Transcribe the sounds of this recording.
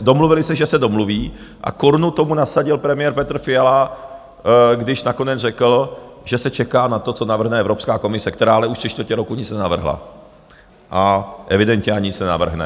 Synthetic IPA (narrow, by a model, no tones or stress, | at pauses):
do̞mluvɪlɪsɛʒɛsɛdo̞mluviː | ʔa̰koɾnut̪o̞munasaɟɪlpɾɛmɪjɛɾpɛt̪r̩fɪjala | ɡdɪʃnako̞nɛd͡zrɛkl̩ | ʒɛsɛt͡ʃɛkaːnat̪o̞t͡so̞navr̩ɦnɛɛvɾopskaːko̞mɪsɛkt̪ɛɾaːalɛuʃt̪siʃt̪vəcɛɾo̞kuɲɪt͡snɛnavr̩ɦla̰ | ʔaʔɛvɪdɛnt̪ɲɛaɲɪsɛɛna̰vr̩ɦnɛ̰